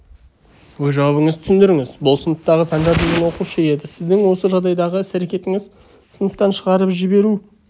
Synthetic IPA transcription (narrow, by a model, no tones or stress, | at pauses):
wɵzʒɑwɑbəŋəzt̪ʰʏ̥sɪnd̪ɪɾɪŋɪzbʊlˠsənəp̚t̪ɑʁəsɑɴd̪ɑɾd̪əɴɡ̪ʲenwo̞quʃəe̞d̪ɪsɪzd̪ɪŋwo̞səʒɑʁd̪ɑjd̪ɑʁəɪsæɾe̞kʲe̞t̪ɪŋɪz | sənəp̚t̪ːɑnʃəʁɑɾəpʒɪbe̞ɾu